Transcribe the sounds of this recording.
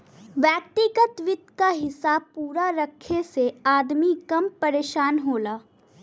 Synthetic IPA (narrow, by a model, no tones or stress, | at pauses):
ʋjɛːk̚t̪ɪɡət̪ʋɪt̪kaɦɪsaːb̚puːɾaɾɐkʰːeseaːd̪mikɐmpɐɾeːʃaːnɦoːlaː